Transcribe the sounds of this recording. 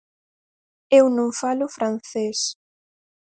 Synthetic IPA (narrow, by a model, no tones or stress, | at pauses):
ewnõŋfalʊfɾan̟θes